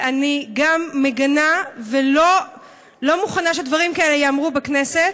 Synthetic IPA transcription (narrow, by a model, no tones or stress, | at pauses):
ʔaniɡamːeɡanavelo | lo̞muχanaʃedvaʁimkaelejaːmʁubekneset̪